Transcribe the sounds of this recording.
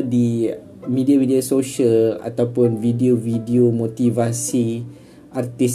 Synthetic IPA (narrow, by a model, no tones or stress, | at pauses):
di | midiavidiasoʃəla̰t̪awpʊnvidiovidiomõt̪ivasi | ʔart̪is